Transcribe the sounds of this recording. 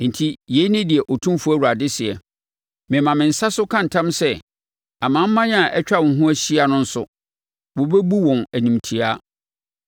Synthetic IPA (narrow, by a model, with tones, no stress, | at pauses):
n̩˨tʰi˦je˨˦i˦nɪ̃˦di˨ɛ˨ʔo˨tʰũ˦mfu˦æ˦˨wu˨ɾa˨dɪ˦sɪ˨ɛ˨ | mɪ̃˨mã˨mɪ̃˨n̩˨sa˦sʊ˦kʰã˦n̩˨tʰã˦msɛ˦ | a˨mã˦m̩˦mã˦ɲ˦a˨ʔɛ˦t͡ɕᶣa˦w̃ɦũ˦æ˦ɕi˦a˨nʊ̃˦n̩˦sʊ̰˨ | wo˨be˦bu˦wɔ̃˨næ˨nĩ˨m˨tʰi˨a˦